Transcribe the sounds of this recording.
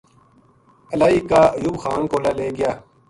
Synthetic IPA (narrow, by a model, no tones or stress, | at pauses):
əlaːiːkaːɐjuːbxaːnkoːlaːleːɡɪjaː